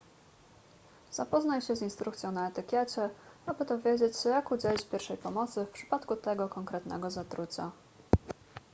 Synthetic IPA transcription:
z̥apɔznajɕɛzinst̪ɾukt̪sjɔ̃w̃naɛt̪ɘkʲjɛt͡ɕɛabɘt̪ɔvʲjed͡ʑet͡ɕɕɛjakud͡ʑɛlʲit͡ɕpʲjɛɾfʂɛjpɔmɔt̪sɘfpʂɘ̥pat̪kut̪ɛɡɔkɔŋkɾɛt̪nɛ̰ɡɔzat̪ɾut͡ɕa̰

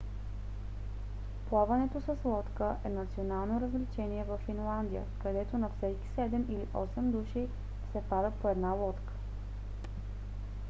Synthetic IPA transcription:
plˠavɐnɛt̪osəslˠɔt̪kəʔɛnɐt̪sionalˠnoɾəzlit͡ʃɛniɛvɐfːinlˠand̪ijə̰kɐd̪ɛt̪onɐfsɛki̥sɛd̪ɛmiliʔɔsɛmd̪uʃij | sɛpaɾəpoɛd̪nalˠɔt̪kə̥

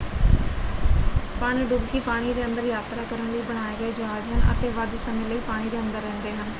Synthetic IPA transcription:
pəɳiɖʊbkiːpaːɽ̃iːd̪eːənd̪əɾjaːt̪ɾaːkəɾənləiːbəɽ̃aːeːɡəeːd͡ʒɦaːd͡ʒɦənʔə̰t̪eːʋəd̪səmẽːləiːpaːɽ̃iːd̪eːənd̪əɾːɛ̃ːnd̪eːɦən

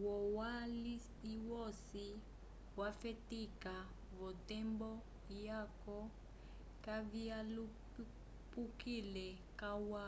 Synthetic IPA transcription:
wɔwali | iwɔsi | wafɛtika | vɔtɛmbɔ | jakɔ | kavialup | pukilɛ | kawa

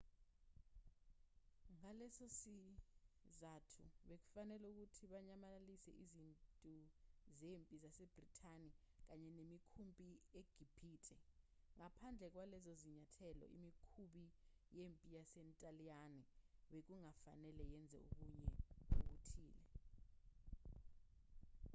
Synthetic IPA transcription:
ŋalɛsosi | zatʰuɓek̬u̥fanɛluk̬utʰiɓaɲamalisɛ̰ʔizintʼuzempʼizaseb̥ritʰʼani | k̬aɲɛnemikʰumpʼieɡ̥ʱib̥ʰiːtʰʼɛŋapʰand͡ɮʱɛk̬walɛzoziɲatʰɛlɔ̰ʔḭmikʰuɓijempʼijasɛntʼalianiɓek̬uŋafa̰nɛlɛjɛnd͡zʱɛ̰ṵk̬uɲɛuɓ̬utʰiːlɛ

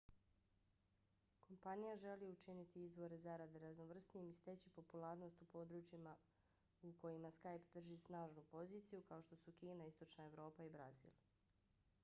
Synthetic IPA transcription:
kʰo̞mpanijaʒe̞liut͡ʃinit̪iizʋo̞ɾezaɾad̪eɾazno̞ʋr̩snijemist̪et͡ɕipo̞pulˠaːɾno̞st̪upo̞d̪ɾut͡ʃima | uko̞jimaskajpd̪r̩ʒisnaːʒnupo̞ziːt̪sijukao̞ʃt̪o̞sukiːnaist̪o̞t͡ʃnae̞ʋɾo̞ːpaibɾa̰zḭːlˠ

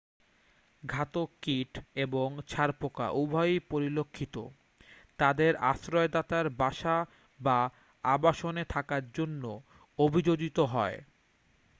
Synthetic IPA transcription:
ɡʱat̪okiʈeboŋt͡ɕʰaɾpoka̰ʔubʱɔjpoɾilokʰːit̪o̰ | t̪ad̪eɾa̰ʃɾɔed̪at̪aɾbaʃa | ba | abaʃonet̪ʰakaɾd͡ʑonːo | obʱid͡ʑod͡ʑit̪oɦɔe

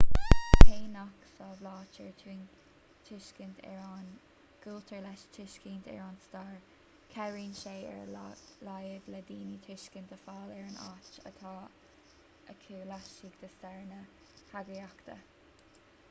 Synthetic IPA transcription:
pʰeːnaksɑːblɑːt͡ʃəɹi | tʰɪʃkəntʰɛ̰ɹan | ɡ̥ult̪ʰəɹlɛʃt͡ʃʰɪʃkiːnt̪ʰɛ̰ɹanst̪ɑːɹ | kʰɛɹiːnʃeːɛ̰ɹlajəvləd̪iːnit̪ʰɹɪʃkənt̪əfɑːlɛɹəna̰t͡ʃə̰t̪ʰɑː | əkʰiɹlaʃiɡd̪əst̪ɛɹnə | haɡiakt̪ə̰

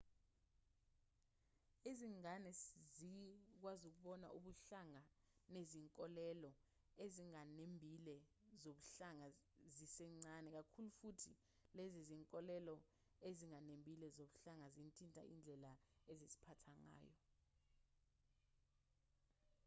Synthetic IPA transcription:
eziŋanɛzik̬wazuk̬uɓɔna̰ʔuɓuɬaŋa | neziŋkʼɔlɛlɔ | eziŋanembʱilɛ | zoɓuɬaŋa | zisɛŋ͡ǀanɛk̬akʰulufutʰi | leziziŋkʼɔlɛlɔ | eziŋanembʱilɛzoɓuɬaŋazintʼintʼa̰ʔḭnd͡ɮʱɛlaezizi̥pʰatʰaŋa̰ːjɔ̰

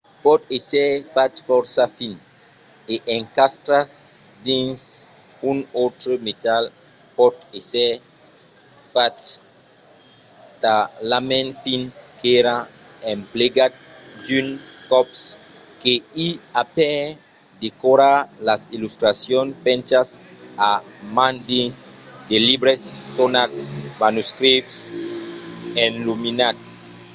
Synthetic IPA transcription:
pɔt̪esɛfat̪fɔɾsafin | eʔẽŋkast̪ɾas | d̪ĩns | unot̪ɾomet̪al | pɔt̪esɛ | fat | t̪alamẽnfinkeɾa | ẽmpleɡat̪̚ | d͡ʒynkɔps | keiapɛ | d̪ekoɾalasilust̪ɾasjonpɛ̃nt͡ʃasamãnd̪insd̪elibɾesːonat̪smanuskɾips | enluminats

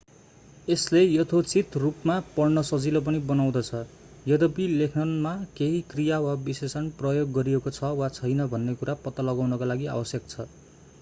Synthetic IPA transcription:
eslejʌt̪ʰot͡sit̪rupmapʌrnʌsʌd͡zilʌp̬ʌnibʌnaw̃d̪ʌt͡sʰʌ | jʌd̪ʌbilekʰnʌnmakeɦikrijawabisesʌnprʌjoɡːʌɾiekot͡sʰʌwat͡sʰʌjnʌbʱʌnːekuɾapʌt̪ːʌlʌɡawnʌkalaɡia̰bʌsjʌk̚t͡sʰʌ

